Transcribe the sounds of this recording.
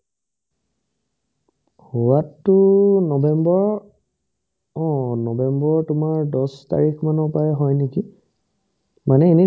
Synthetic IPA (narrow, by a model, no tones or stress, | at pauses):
huwatːʊnɔbɛmbɔɹ | ɔ̃nɔbɛmbɔɹtʊmaɹdɔsta̰ɹikʰmanɔpajɛɦɔjneki | manɛeni